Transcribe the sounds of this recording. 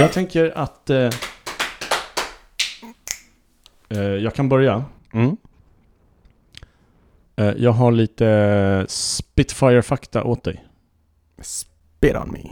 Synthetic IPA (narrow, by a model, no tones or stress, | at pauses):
jɑːɡt̪ʰɛŋkəɾat̪ | jɑːɡkʰanbœɾja | m̩ː | jʔɑːɡɦaɭiːt̪əspɪt̪fajəɾfakt̪a̰ʔoːt̪̚d̪ɛ̰j | s | peːɔ̰nmɪ̰